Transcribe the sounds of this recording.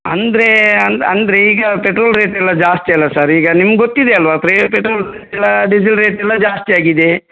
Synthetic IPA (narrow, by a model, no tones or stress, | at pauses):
ɐnd̪ɾe̞ɐnd̪ɐ̰nd̪ɾeiːɡɐpeʈɾoːlɾeːʈɛlːɐd͡ʒaːst̪iɐlːɐsɐɾiːɡɐnimɐɡɡot̪ːid̪eɐlːɐʋaːt̪ɐɾepeʈɾoːlɾeʈɛlːɐɖid͡ʒilɾeːʈɛlːɐd͡ʒaːst̪iaːɡid̪e